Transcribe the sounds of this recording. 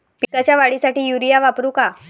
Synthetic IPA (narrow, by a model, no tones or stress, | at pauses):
pikat͡ɕjaʋaɭisaʈiːjuɾijaʋapɾũka